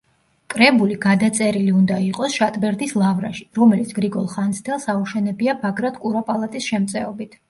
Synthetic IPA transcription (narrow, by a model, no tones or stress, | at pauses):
kʼɾɛbuliɡad̪at̪sʼɛɾiliund̪aiqʼɔsʃat̪ʼbɛɾd̪islˠavɾa̰ʃi̥ɾɔmɛlit̪sʰɡ̥ɾiɡɔlˠχansd̪ɛlˠsauʃɛnɛbiabaɡɾad̪kʼuɾapʼalˠat̪ʼisʃɛmt̪sʼɛɔbit̪ʰ